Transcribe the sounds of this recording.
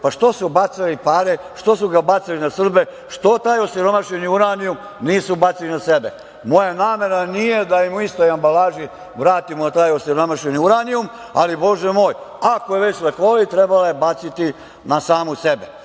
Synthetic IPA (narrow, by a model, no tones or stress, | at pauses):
paʃt̪o̞subat̪silipaɾe | ʃt̪o̞suɡabat̪silinasr̩be | ʃt̪o̞t̪aːjo̞siɾomaʃɲeniuɾanium | niːsubat̪silinasebe | mo̞janaːme̞ɾnanije̞d̪aimuist̪o̞jambalaːʒi | ʋɾaːt̪imut̪aːjosiɾomaʃeniuɾanium | a̰libo̞ʒemoːjakojeʋet͡ɕlekolit̪ɾebalajebat̪sit̪i | nasaːmusebe